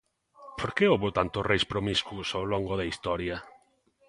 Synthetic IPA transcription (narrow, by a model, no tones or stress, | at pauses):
pʰoɾkeoβot̪ant̪osrejspɾomiskusawloŋɡoðɐist̪ɔɾjɐ